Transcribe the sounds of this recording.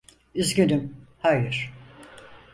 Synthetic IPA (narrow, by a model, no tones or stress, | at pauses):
yzɟynymhajɯɾ̥